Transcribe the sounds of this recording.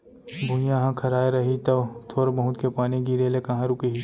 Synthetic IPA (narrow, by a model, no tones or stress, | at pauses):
bʱʊjãɦãkʰɐɾaːeɾɐɦit̪ɐʋt̪ʰoːɾbɐɦʊ̃t̪kepaːniɡiɾeːlekɐ̃ɦãɾukeɦi